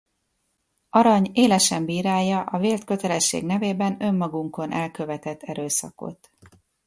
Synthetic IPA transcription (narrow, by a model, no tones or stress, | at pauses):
ɒɾɒɲeːlɛʃɛmbiːɾaːjːɒʔɒveːlt̪kø̞t̪ɛlɛʃːḛːɡnɛveːbɛnø̞mːɒɡuŋko̞nʔɛlkø̞vɛt̪ɛt̪ʰːɛɾøːsɒ̰ko̞̰t̪